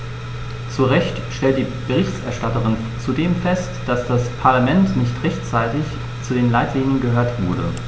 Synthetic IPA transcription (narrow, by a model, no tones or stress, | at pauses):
t͡suʁɛçtʃtɛlt̚d̥iːb̥əʁ̞ɪçtɛɐʃtatəʁɪn | t͡sudeːmfɛstd̥asd̥aspʰaɐlamɛntnɪçtʁɛçtt͡saɪtɪç | t͡sudeːnlaɪtʰliːnənɡəɦøːɐtv̥ʊɐɾə